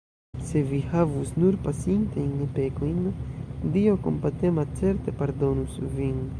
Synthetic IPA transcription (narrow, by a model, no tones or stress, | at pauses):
sevihavusnuɾpasint̪ejnpekojnd̪ioko̰mpat̪emat͡seɾt̪epaɾd̪onusvin